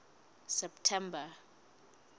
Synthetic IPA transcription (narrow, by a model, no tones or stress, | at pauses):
sɛptʰɛmba